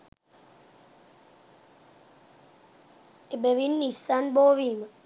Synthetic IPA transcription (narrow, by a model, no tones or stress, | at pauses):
ebeʋinːisanboːʋiːma